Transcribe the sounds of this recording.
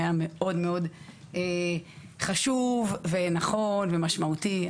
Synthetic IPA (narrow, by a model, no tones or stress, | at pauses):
jame̞o̞dme̞o̞d | e | χaʃuvvenaχo̞nvemaʃmaut̪i